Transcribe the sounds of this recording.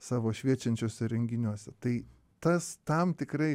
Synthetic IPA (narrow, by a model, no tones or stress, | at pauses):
sɑːʋoːʃʲʋʲiɛt͡ʃʲɛnʲt͡ʃʲoːsʲɛɾʲɛŋʲɡʲɪnʲuɔsʲɛt̪ɐɪ | t̪ɐst̪ɐmt̪ʲɪkɾɐɪ